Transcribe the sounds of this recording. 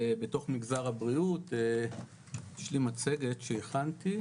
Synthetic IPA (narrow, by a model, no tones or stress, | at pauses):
beto̞χmiɡzaʁhabʁiut̪e | ʃlimat͡se̞ɡe̞t̪ʃeiχanti